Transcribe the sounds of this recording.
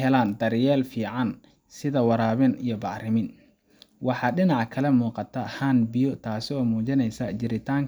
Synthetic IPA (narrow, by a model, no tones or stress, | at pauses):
ɦɛlaːnd̪ɐrjɛːlfiːʕɑn | sɪðɐwɑɾaːβɪnijɞbɑʕrɪmɪn | wɑħɑːɖɪnɑʕkʰɐlɛmuːqɑt̪ʰɐhaːnbijɔt̪ʰaːsɪɔːmuːt͡ʃɪnɛjsɐd͡ʒɪɾɪt̪ʰaːŋk